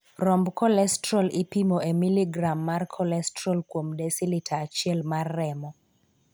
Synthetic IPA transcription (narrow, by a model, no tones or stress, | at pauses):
rɔmbkɔlɛstɾɔlɪpimoʔemiliɡɾamːarkʰɔlɛstɾɔlkwomdɛsilitaːt͡ʃɪɛlmarːɛmɔ